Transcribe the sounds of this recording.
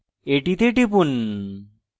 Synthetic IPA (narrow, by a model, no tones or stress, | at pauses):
eʈit̪eʈ̬ipun